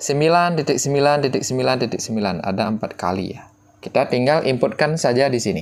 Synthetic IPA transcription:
səmbilant̪it̪ɪk̚səmbilant̪it̪ɪk̚səmbilant̪it̪ɪk̚səmbilana̰daəmpat̪̚ka̰lḭja̰ | kit̪at̪iŋɡalʔimpʊt̪̚kansad͡ʒadisini

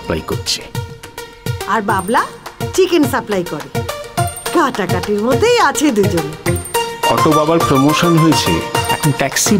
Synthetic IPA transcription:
pla̰jkoɾt͡ɕʰe̥ | aɾbablat͡ɕikensaplajkoɾe | kaʈakaʈiɾmod̪ʱːejat͡ɕʰed̪ud͡ʑon | kɔʈobabaɾpɾomoʃonɦojet͡ɕʰḛɛ̰kʰnʈɛksi

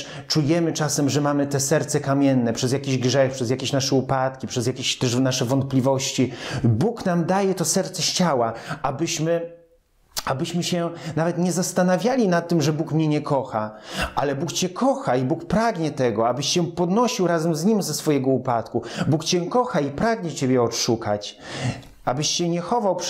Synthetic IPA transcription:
t͡ʂujɛmɘt͡ʂasɛmʐɛmamɘt̪ɛsɛɾt̪sɛkamʲjɛnːɛpʂɛzjakʲeʑɡʐɛxpʂɛzʲjakʲeɕnaʂɛupat̪̚kʲipʂɛzjakʲeɕt̪ɛʂnaʂɛvɔnt̪̚plʲivɔɕt͡ɕibuknamd̪ajɛt̪ɔsɛɾt̪sɛɕt͡ɕawaabɘɕmɘ | abɘɕmɘɕɛnavɛt̪ɲɛzast̪anavʲjalʲinat̪ːɘmʐɛbukmɲɛɲɛkʰɔxaʔalɛbukt͡ɕɛkʰɔxaibukpɾaɡɲɛt̪ɛɡɔabɘɕɕɛ̃pɔd̪nɔɕiwɾazɛmzɲimzɛsfɔjɛɡɔupat̪kubukt͡ɕɛkɔxaipɾaɡɲɛt͡ɕɛbʲjɛɔtʂukat͡ɕ | abɘɕt͡ɕɛɲɛxɔvawp

